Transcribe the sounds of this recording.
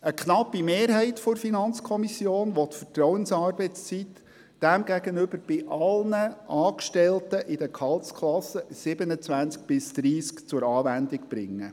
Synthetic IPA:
əkχnɑpːimeːɾɦɛɪtfɔɾfinɑnt͡skʰɔmisjoːnʋɔt̪fətɾɔwənsɑːɾbɛɪst͡sit̪ | d̥æmɡæɡənʏb̥əɾb̥ɪʔɑlnəʔɑːkʃtɛltəʔɪd̪əkʰɑltskʰlɑsəsɪbənət͡sʋænt͡sk̚b̥ɪsd̪̥ɾiːskt͡sʊɾɑːʋænd̪ɪkb̥ɾɪ̰ŋːə

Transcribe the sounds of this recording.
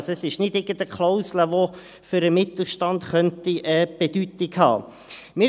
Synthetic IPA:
sɛsɪʃnɪdɪɡəndəkʰloʊsləʋo | fʏɾəmɪt̪l̩ˠʃtɑnd̪χœntiʔəb̥edytɪɡhɑ̰ː | mɪ

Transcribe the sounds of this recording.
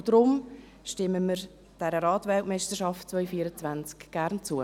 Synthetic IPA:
d̥ɾʊm | ʃtɪməməɾ | d̥ɛɾəɾɑːtvɛltmɛɪstəʃɑftt͡svœʏfiːəɾət͡svænt͡skɡ̥æɾnt͡suə

